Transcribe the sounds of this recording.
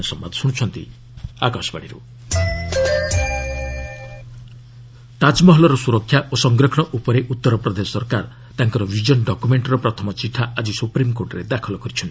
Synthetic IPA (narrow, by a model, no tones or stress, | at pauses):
ɔsɔmba̰d̪suɽ̃t͡ʃʰɔnt̪ḭ | akɔsɔbaɽiɾṵ | t̪ad͡ʒmɔɦɔlɔɾɔsuɾɔkʰːjaʔosɔŋɡɾɔkʰɔɽ̃ɔʔupɔɾeʔut̪ːɔɾɔpɾɔd̪esɔsɔɾkaɾ | t̪aŋkɔɾɔbʱid͡ʒɔnɖɔkumeɳʈɾɔpɾɔt̪ʰɔmɔt͡ʃiʈʰːaʔad͡ʒisupɾimkoɾʈɔɾed̪akʰɔlɔkɔɾit͡ʃʰɔni̥